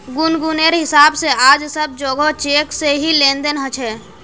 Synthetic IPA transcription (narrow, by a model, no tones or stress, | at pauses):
ɡʊnɡuneɾɦɪsaːbseʔaːd͡ʒsəb̚d͡ʒoːɡot͡ʃeːkseɦilẽːnd̪ənɦət͡ʃʰɛː